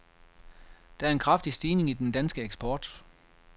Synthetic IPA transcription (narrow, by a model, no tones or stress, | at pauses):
d̥ɑ̈æɐe̝nkʰʁɑ̈fd̥isd̥iːne̝ŋid̥end̥ænsɡ̥əeɡ̥sb̥ɒːd̥